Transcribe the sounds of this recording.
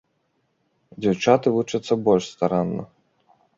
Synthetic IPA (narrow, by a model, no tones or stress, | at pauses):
d͡zʲɛwt͡ʂat̪ɨvut͡ʂɐt̪sːɐbɔlʲʂst̪aɾanːɔ̰